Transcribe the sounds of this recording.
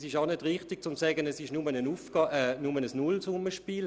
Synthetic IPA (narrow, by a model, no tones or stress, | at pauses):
sɪʃaʊnɛdʁɪχtɪɡ̚t͡sʊmsɛːɡənɛsɪʃnumənənufɡ̥ɑʔɛnʊmənəsnʊlsʊməʃpiːl